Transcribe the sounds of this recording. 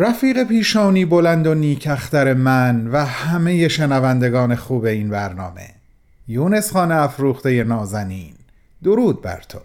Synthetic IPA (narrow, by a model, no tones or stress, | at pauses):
ɾæfiːɣe̞pʰiːʃɒːniːbo̞lænd̪o̞niːcʰæxt̪æɾe̞mænvæhæmeje̞ʃenævænd̪e̞ɡɒːne̞xuːbe̞iːnbæɾnɒ̰ːme̞̰ | juːne̞sχɒːneæfɾuːχt̪e̞jenɒːzæniːn | d̪oɾuːd̪̚bæ̰ɾt̪ʰo̰